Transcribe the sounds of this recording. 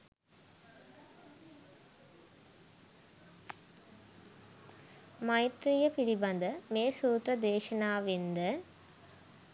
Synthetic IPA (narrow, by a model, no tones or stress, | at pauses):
mɐjt̪rijɐpiɽibɐnd̪ɐmeːsuːt̪ɾɐd̪eːʃɐnaːʋind̪ɐ